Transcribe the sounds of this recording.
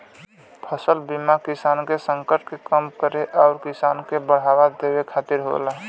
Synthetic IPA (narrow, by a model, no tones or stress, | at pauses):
pʰəsəlbimakisankesəŋkəɾʈ̚kekəmkəɾeʔaʊɾkisankebəɽ̤ɦaβad̪ebekʰat̪iɾɦo̰laɦ